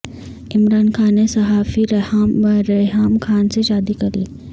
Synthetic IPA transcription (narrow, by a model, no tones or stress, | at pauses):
ɪmɾaːnxaːnẽsɐɦaːfiɾ | ɾɐɦaːmkʰaːnseʃaːd̪ikɐliː